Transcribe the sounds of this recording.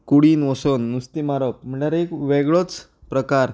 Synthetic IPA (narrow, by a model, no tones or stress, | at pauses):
kuɽiːnʋəsonːust̪imaɾəp̚m̤əɳʈjaɾekʋeɡɭot͡s | pɾəkaɾ